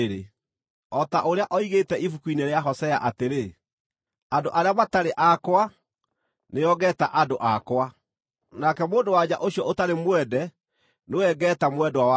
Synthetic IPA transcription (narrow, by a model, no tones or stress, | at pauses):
ɾe | ɔtaʔoɾeaʔɔiɣetɛʔifukuineɾeaɦɔsɛa̰ʔateɾe | andoʔaɾeamataɾeʔakwa | neɔɣɛta̰ʔadoʔakwa | nakɛmoːndowad͡ʑaʔoɕjɔʔotaɾemwɛdɛ | nowɛɡɛːtamwɛdɔwawa